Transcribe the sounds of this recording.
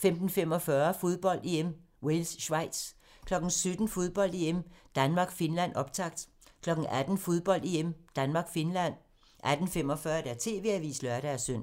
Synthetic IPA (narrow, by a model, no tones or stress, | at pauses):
femd̥n̩fem̰ɒ̽fɶɐfo̝ð̞ˠb̥ɒ̽l̰d̥e̝em | welsːʋɑ̈ɪ̰d̥s | kʰlɒ̽ɡ̥n̩sød̥n̩fo̝ð̞ˠb̥ɒ̽l̰d̥eem̰d̥ænmɑ̈ːɡ̥fe̝nlæn̰ɒ̽b̥̚t͡sʰɑ̈ɡ̥d̥ | kʰlɒ̽ɡ̥n̩ʔæd̥n̩fo̝ð̞ˠb̥ɒ̽l̰d̥e̝emd̥ænmɑ̈ːɡ̥fe̝nlæn̰ | ʔæd̥n̩fem̰ɒ̽fɶːɐd̥æɐt͡sʰe̝ːʋe̝̰æʋḭːslœɐɾ̥ææɐsøn̰